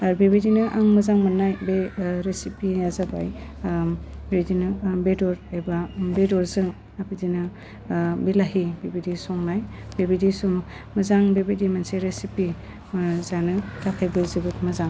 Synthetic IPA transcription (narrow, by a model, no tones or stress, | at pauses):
aɾbibidinɯʔaŋmɐzaŋmanːajbeɾesipijazaba̰j | bebidinɯbedɔɾebabedɔɾzɯŋ | abidinɯ | bilaɦibibidisɔŋnaj | bebidisum | mɐzaŋbebidimanseɾesipi | zanɯtʰakʰajbɯzibɯtmazaŋ